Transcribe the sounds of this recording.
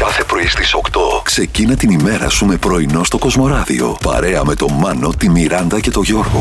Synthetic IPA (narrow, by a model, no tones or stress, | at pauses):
kɐθe̞pɾo̞ist̪iso̞kt̪o̞kse̞cinɐt̪inime̞ɾɐ̰sume̞pɾo̞ino̞st̪o̞ko̞zmo̞ɾɐðḭo̞̰pɐ̰ɾe̞ɐme̞t̪o̞mɐno̞t̪imiɾɐnd̪ɐce̞t̪o̞ʝo̞ɾɣo̞̰